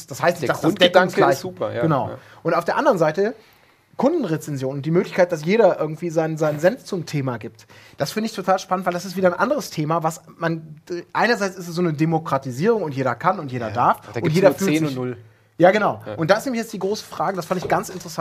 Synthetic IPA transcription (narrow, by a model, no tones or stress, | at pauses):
d̥ashaɪstnɪçdaʊndaŋz̥uːpɐɡ̥ənaʊ̰ | ʔʊntaʊfd̥eːɐʔandəʁənzaɪtə | kʰʊndn̩ʁet͡sɛnzjoːnʊntd̥iːmøːklɪçkʰaɪt̚d̥as̬jeːɾɐʔɪɐɡŋ̩tv̥iːzaɪnənzaɪnənzɛnft͡sʊmtʰeːmaɡiːp̚td̥asfɪndəɪçtʰotʰaːlʃpanəntv̥aɪldasɪstviːdɐnʔa̰ndəʁəstʰeːmavasmanʔaɪnɐzaɪt͡sɪstɛsz̥oːnədemokʁ̥atiziːʁ̞ʊŋʊntjeːɾɐkʰanʊntjeːɾɐdaɐfʊnntjeːdɐfyː | jaːɡənaʊʔʊnt̚d̥aːɪstneːmçjɛt͡sd̥iːɡʁoːsə̥fʁ̥aːɡədasfandɪçɡ̥ant͡sɪntəʁəsa